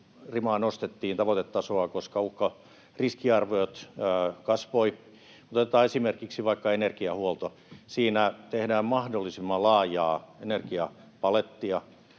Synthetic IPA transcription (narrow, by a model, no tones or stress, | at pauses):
rimɑːnost̪et̪ːiːnt̪ɑʋot̪et̪ːɑsoɑkoskɑukːɑ | riskiɑrʋojot̪ːkɑsʋoi | mut̪t̪et̪ɑːesimerkiksiʋɑikːɑenerkiɑhuolt̪o | siːnæt̪ehdæːmmɑhdolːisimːɑlɑːjɑːenerkiɑpɑlet̪ːiɑ